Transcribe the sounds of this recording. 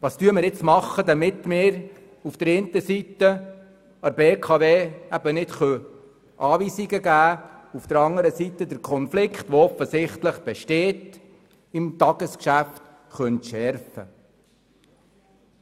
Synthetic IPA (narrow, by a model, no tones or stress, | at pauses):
ʋɑːstyːəmɪɾɪt͡smɑχːəd̪ɑmɪt̪mɪːɾ | ufd̥əɾɪnt̪əsitːə | ɑɾbeːkʰɑʋeːæb̥ənɪtχœ | ʔɑːʋiːsiɡəɡæːufd̥əɾɑŋəɾəsitːəd̪əɾkʰɔnflɪkχt̪ʋoɔfːəsɪχtləχb̥ɛʃteːt | imt̪ɑɡ̥əskʃæft | χœntʃɛɾfə̰